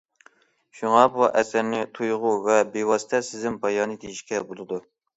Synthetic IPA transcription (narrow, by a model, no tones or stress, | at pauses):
ʃuŋɑbuʔɛsæɾnɪt̪ʰujʁʊvɛbewɑːsɪ̥t̪ʰɛsɪzɪmpʰɑjɑːnɨd̪ejiʃkʲɛbolˠɨd̪u